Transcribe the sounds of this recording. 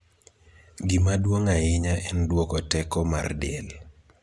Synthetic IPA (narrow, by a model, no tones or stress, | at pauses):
ɡimadwoŋaɪɲaʔɛndwokɔtɛkɔmardɛl